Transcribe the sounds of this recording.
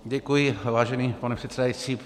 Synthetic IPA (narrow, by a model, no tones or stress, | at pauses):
ɟɛkujɪvaːʒɛniːpanɛpr̥ɛt̪sɛd̪ajit͡siː